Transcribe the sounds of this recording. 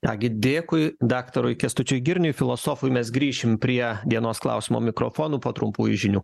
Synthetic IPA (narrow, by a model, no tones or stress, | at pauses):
t̪ɑ̰ːɡʲɪd̪ʲeːkʊɪd̪ɑːkt̪ɐɾʊɪkʲɛst̪ʊt͡ʃʲʊjɡʲɪɾʲnʲʊjfʲɪlˠoːsoːfʊjmʲɛsɡɾʲiːʃʲɪmpʲɾʲiɛd̪ʲiɛnoːsklˠɐ̰ʊsʲɪmo̰ːmʲɪkɾo̰ːfoːnuːpoːt̪ɾʊmpuːjʊʒʲɪnʲuː